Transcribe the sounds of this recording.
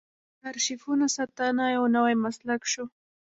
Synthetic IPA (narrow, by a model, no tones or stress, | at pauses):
kaɾʃɪfʊnasat̪anajawnawajmaslakʃʊ